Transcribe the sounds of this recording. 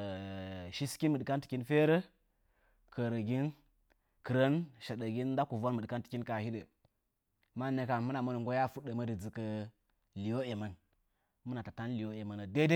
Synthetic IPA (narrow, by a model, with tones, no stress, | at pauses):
ʃi˦ski˦nmɨ˨ɗka˦nti̥˨ki˦nfe˦ɾə˦ | kə˨ɾə˨ɡi˦n | kɨ˨ɾə˦nʃe˨ɗə˨ɡʲi˦nda˦ku˨vo˦nmɨ˨ɗka˦nti˨kʲi˦nka˨hi˦də˨ | ma˦ne˨ka˨mu˦na˨mə˦nu˨ŋɡo˦ja˦fu˦ɗə˨mə˦dɨ˨d͡zɨ˨kə˨ | li˨wo˦e˨ma˨n | mɨ˦na˨ta˨ta˦n˦li˨jo˦e˨ma˨na˨de˦de˦